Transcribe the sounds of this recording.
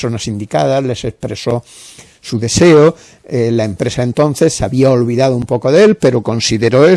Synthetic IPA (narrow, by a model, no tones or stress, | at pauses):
so̞nasind̪ika̰ð̞azle̞se̞spɾe̞so̞ | suðe̞se̞o | elaempɾe̞saent̪o̞n̟θe̞sːeaβiaolβiðaðoumpo̞koðe̞lpe̞ɾo̞ko̞nsiðeɾoe